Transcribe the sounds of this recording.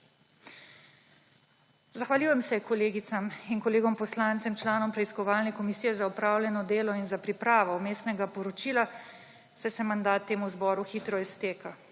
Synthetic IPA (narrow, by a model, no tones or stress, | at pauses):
zaxʋalʲjuːjɛmsɛkɔleːɡit̪saminkɔleːɡɔmpɔslaːnt̪sɛmt͡ʃlaːnɔmpɾɛiskɔʋaːlnɛkɔmisiːjɛzaupɾaːwlʲjɛnɔd̪eːlɔinzapɾipɾaːʋɔumeːst̪nɛɡapɔɾɔt͡ʃiːla | sɛsɛmand̪aːt̪ːeːmuzbɔːɾuxiːt̪ɾɔist̪eːka